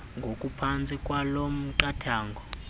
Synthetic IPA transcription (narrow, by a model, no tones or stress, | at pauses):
ŋɡʱokʼupʰant͡sʼikʼwalom̩ǃatʰaːŋɡʱɔ